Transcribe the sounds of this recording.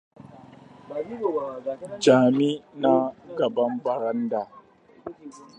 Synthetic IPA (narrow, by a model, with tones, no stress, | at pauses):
d͡ʒaː˨mi˦na˦ɡɐ˨bɐ˦mbɐ˨ɾɐ˦nda˨